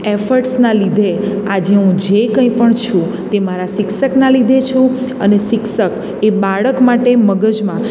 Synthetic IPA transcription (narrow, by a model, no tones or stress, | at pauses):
efəɾʈsnalid̪ʱead͡ʒeɦũd͡ʒekə̃ĩpəɳt͡ʃʰũ | t̪emaɾaʃɪkʃəknalid̪ʱet͡ʃʰũəneʃɪkʃək | ebaɭəkmaʈeməɡəd͡ʒmã